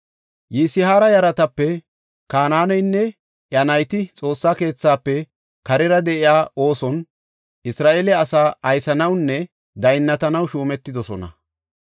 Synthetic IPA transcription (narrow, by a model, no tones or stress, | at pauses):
jiːsɪhaːɾɐjɐɾɐt̪ɐpːɛ | kaːnaːnɔjnːɛ | ʔjɐnɐjt̪ɪt͡sʼo̞ːsːaːke̞ːt͡sːaːpːɛ | kɐɾɛɾɐd̪ɛʔɪjaːʔo̞ːsɔn | ɪsɾaːʔelɛɐsaːɐjsɐnɐwnːɛ | d̪ɐjnːɐt̪ɐnɐwʃuːmɛt̪ːɪd̪ɔsɔnɐ̰